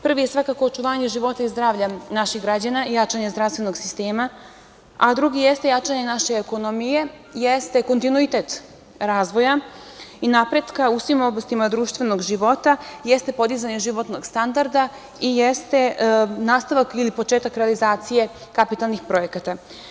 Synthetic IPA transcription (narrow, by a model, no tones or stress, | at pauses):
pr̩ʋijesʋakako̞ːt͡ʃuʋaːɲe̞ʒiʋo̞t̪aizd̪ɾaːʋʎanaʃixɡɾad͡ʑanaijat͡ʂaɲezd̪ɾafst̪ʋe̞no̞ɡsist̪e̞ːma | ad̪ɾuɡijest̪e̞jat͡ʃaɲe̞naʃe̞ːko̞nomije̞ | jest̪e̞ko̞nt̪inuit̪et̪ | ɾaːzʋo̞jainapɾe̞d̪kausʋimo̞blast̪imad̪ɾuːʃt̪vʋe̞no̞ɡʒiʋo̞t̪ajest̪e̞po̞d̪izaɲeʒiʋo̞t̪no̞ɡst̪and̪aɾd̪a | ijest̪e̞naːst̪aʋakilipot͡ʃeːt̪akɾealizaːt̪sije̞ | kapit̪alˠnixpɾo̞je̞kat̪a